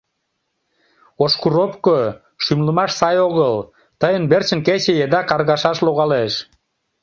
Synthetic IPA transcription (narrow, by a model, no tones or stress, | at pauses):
oʃkuɾopko | ʃymləmɑʃsɑjoɣəl | t̪əjənbert͡ɕənket͡ɕejed̪ɑkɑrɣɑʃɑʃloɣɑleʃ